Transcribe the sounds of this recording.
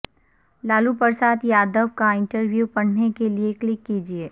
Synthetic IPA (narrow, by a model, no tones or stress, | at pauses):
laːlupəɾsaːt̪jaːd̪əʋkaɪ̃ɳʈəɾʋjuːpɐɳ̤nekelieklɪkːiːd͡ʒieː